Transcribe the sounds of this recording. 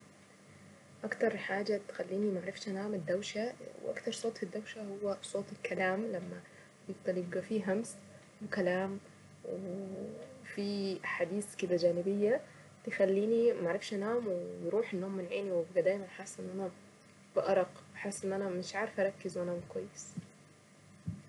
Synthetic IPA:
ʔakt̪ɑɾˤħaːd͡ʒat̪xalːiːnimaʕɾˤɪfʃʔanaːmɪd̪ːawʃawʔa̰kt̪ɑɾˤsˤoːt̪ˤfid̪ːawʃahʊwːasˤoːt̪ˤɪlkʰalaːmlamːa | bjɪɡ̚d̪ˤɑljɪb̚ɡafiɦams | wɪkalaːm | wɪ | fiaħaːd̪iːskɪd̪ad͡ʒaːnɪbɪjːa | t̪jxalːiːnimaʕɾˤɪfʃʔanaːmwɪbɾuːħɪnːoːmːɪnʕeːniwɪbɡad̪aːjmanħasːʔɪnːʔana | b̥ɪʔɑɾˤɑqbħasːʔɪnːʔanamɪʃʕaːɾɪfʔɑɾˤɑkːɪzwʔanaːmkwajːɪs

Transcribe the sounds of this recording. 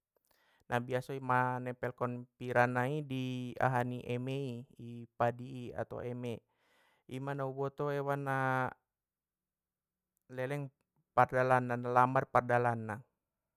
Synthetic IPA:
nʔabiasɔimanɛpɛlkɔnpiɾanaidia̰ɦaniʔɛmɛiipadiːa̰t̪a̰ɛmɛ | imanaubɔt̪ɔɛwana | lɛlɛŋ | pardalanːanalambarpardalanːa

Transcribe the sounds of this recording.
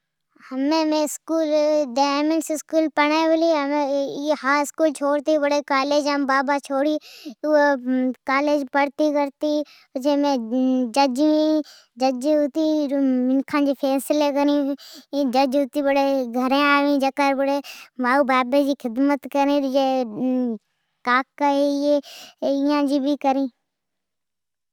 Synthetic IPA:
hɐmẽːmẽːɪskuːlɖaːmɪnsɪskuːlpɐɽ̃aːbʊliɦəmehaːɪskuːlt͡ʃʰoːɽt̪ibəɽekaːleːd͡ʒambaːbat͡ʃʰoːɽi | kaːleːd͡ʒpəɽt̪ikəɾt̪i | t͡ʃemẽd͡ʒɐd͡ʒĩ | d͡ʒəd͡ʒʊt̪iːmɪnkʰãːd͡ʒeːpʰɛːslekəɾĩː | d͡ʒəd͡ʒɦʊt̪iːbəɽeːɡʱəɾẽaːʋĩːd͡ʒɐkaɾbəɽeːʋaːubaːbẽːd͡ʒiːxʰɪd̪mət̪kəɾẽːd͡ʒe | kaːkːaejeɪjãːd͡ʒiːbʱikəɾĩː

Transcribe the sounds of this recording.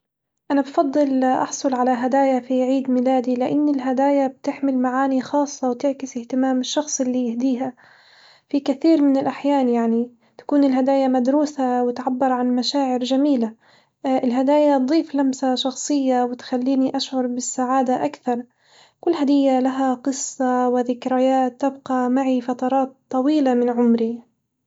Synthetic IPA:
ʔanabfɑd̪ˤːɨlʔɑ̰ħsˤʊlʕalaɦad̪aːjafiʕiːd̪mɪlaːd̪ilɪʔanːɪlɦad̪aːjab̚t̪ɪħmɪlmaʕaːnixɑːsˤːɑwt̪ɪʕkɪsɪht̪ɪmaːmɪʃːɑxsˤɪlːijɪhd̪iːɦa | fikaθiːɾmɪnɪlʔaħjaːnjaʕni | t̪ḁkuːnɪlɦad̪aːjamad̪ɾuːsawɪt̪ʕabːɑɾˤʕanmaʃaːʕɪɾd͡ʒamiːla | ʔɪlɦad̪aːjat̪̚d̪ˤiːflamsaʃɑxsˤɨjːawɪt̪xalːiːniʔaʃʕʊɾˤbɪsːaʕaːd̪aʔakθɑɾˤ | kʊlːɦad̪ɪjːalaɦaqɨsˤːɑwɪðɪkɾajaːt̪ːɪbqɑmaʕifɑt̪ɑɾˤɑːt̪ˤːɑwiːlamɪnʕʊmɾi

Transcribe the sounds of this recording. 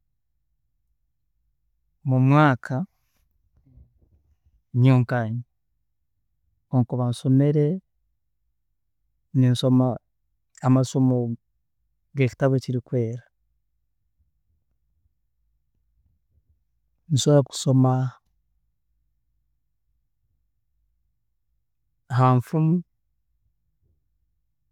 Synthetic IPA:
mumwaːkʰa | ɲoːŋkaɲi | oŋkuβanso̞me̞ɾe̞ | ninso̞maː | masomo | ɡeci̥taβeciɾikwe̞ːɾa | nisoɾaku̥so̞ma | ɦaːɱfumu

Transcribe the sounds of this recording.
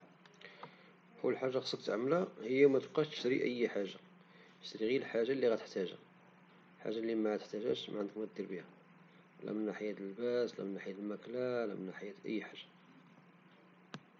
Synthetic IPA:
kulːħaʒːaxsˤəkt̪ʕmlæhəjːæmæt̪əb̚qɑʃt̪ə̥ʃt̪ɾḭʔə̰jːħaʒːa | ə̥ʃt̪ɾiɣilħaʒːalːiɣæt̪ə̥ħt̪æʒæ̰ | lħa̰ʒːalːimæʕæt̪əħt̪æʒæ̰ʃmaʕənd̪əkmæd̪ːiɾbihæ | læ̰mənːaħjæt̪əlbæslæ̰mənːaħjæt̪əlmæklælæ̰mənːaħjæt̪ʔə̰jːħaʒːa

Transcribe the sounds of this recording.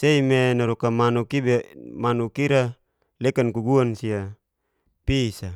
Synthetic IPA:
seimenaɾokamanukibemanukiɾa | lekankuɡuansia | pisa

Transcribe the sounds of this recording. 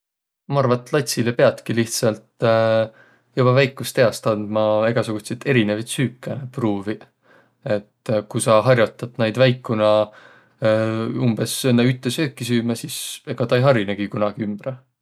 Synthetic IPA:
mɑɑrvɑt̪ːˑlɑt̪ʲsilepe̞ɑt̪kiliht̪sɑlt̪ | jub̥ɑvæjkːˑust̪eɑst̪ɑnd̪̥mɑe̞ɡ̥ɑsuɡ̥ut̪ʲset̪e̞ɾinevɑjt̪syːkːˑepruːvi | e̞t̪kusɑɦɑrjot̪ːˑɑt̪nejd̪væjkːunɑ | umb̥esenːeyt̪ːˑesøːkːˑisyːmɑsise̞ɡ̥ɑt̪ɑejɦɑɾineɡ̥ikunɑɡ̥iymb̥ɾ

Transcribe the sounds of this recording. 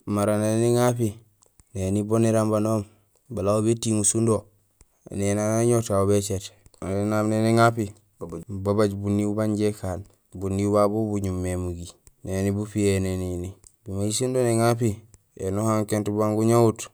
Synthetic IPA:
maɾaneniŋapi | neniboniɾambanoːm | balauβetiŋusundo̰ | nenanaɲotauβet͡ʃetaenamneniŋapi | babaɟbunːiubaɲɟekaːn | bunːibabubuɲumːemuɡi | nenibufienenini | bimaisundoneŋap̬i | ḛnuhaŋkentubaŋɡuɲout

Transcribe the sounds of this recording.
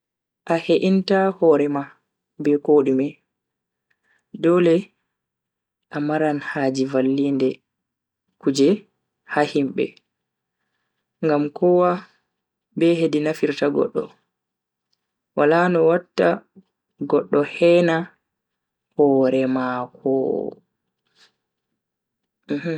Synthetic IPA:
ʔaheʔintahɔɾɛma | bɛkoɗimɛ | dɔlɛ | ʔamaɾanhaːd͡ʒivalːindɛ | kud͡ʒɛ | hahimɓɛ̰ | ŋɡamkɔwa | bɛhedinafiɾtaɡɔ̰ɗːɔ̰ | walanɔwatːa | ɡɔɗːɔhɛna | hɔɾɛmakʰɔ̰ | h

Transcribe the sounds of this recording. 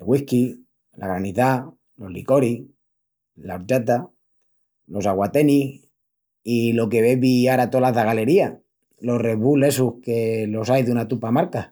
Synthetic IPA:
elɣwihki | la̰ɣɾaniθa | lo̞ɦlḭko̞ɾi | laoɾt͡ʃat̪a | lo̞saɣwat̪e̞nih | ilo̞ke̞βeβiaɾat̪olaðaɣale̞ɾia | lo̞re̞βule̞suhke̞lo̞sajðunat̪upamaɾka

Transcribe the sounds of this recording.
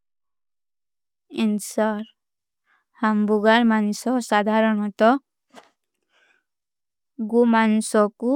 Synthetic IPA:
insaɾ | hambuɡaɾmanusɔsad̪ʱaɾɔnɔt̪ɔ | ɡumanusɔku

